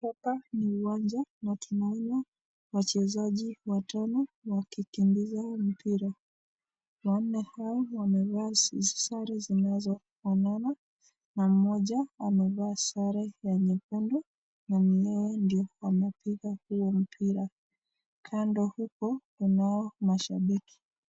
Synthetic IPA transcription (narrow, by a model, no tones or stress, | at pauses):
pɛpaniuwand͡ʒanatʰumuɲa | wat͡ʃɛzaʄiwatʰanɔwakikimbizam̩piɾa | wan̩nɛhaɔwamɛvaːsizsaɾɛzinazɔ | fanana | nam̩mɔʄaamɛvaːsaɾɛjaɲɛkundɔ | nam̩ɲɛwɛndiɔwamapiɣahuɔm̩pʰiɾa | kʰandɔhukɔtunaɔmaʃaɓiki̥